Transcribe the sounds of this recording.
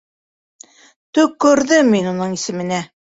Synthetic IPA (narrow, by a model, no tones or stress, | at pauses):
t̪ɵkːɵ̆ɾðɘminunɤɴisɘ̆mɘ̆næ